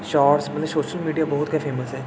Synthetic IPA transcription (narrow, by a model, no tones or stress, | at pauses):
ʃaːɾsmɐt̪ləbsoːʃəlmiːɖijabɐɦʊt̪kafʰeːməsɦɛː